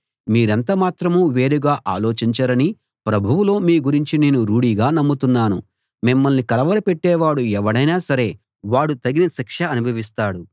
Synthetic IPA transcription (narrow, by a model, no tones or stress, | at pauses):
miːɾɐnt̪ɐmaːt̪ɾɐmuːʋeːɾuɡaːʔa̰ːlo̞ːt͡ʃiɲt͡ʃɐɾɐni | pɾɐbʱuwulo̞ːmiːɡuɾiɲt͡ʃine̞ːnuɾuːɽiːɡaːnɐmːut̪unːaːnṵ | mimːɐlnikɐlɐʋɐɾipeʈːɛːʋaːɽuɛʋɐɽɐjnaːsɐɾe̞ː | ʋaːɽut̪ɐɡinɐsikʂɐɐnubʱɐʋist̪aːɽu